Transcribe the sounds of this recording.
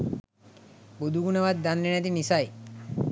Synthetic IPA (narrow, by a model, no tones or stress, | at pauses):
bud̪ʱuɡuneʋad̪̚ːanɾiɳat̪̬inisaj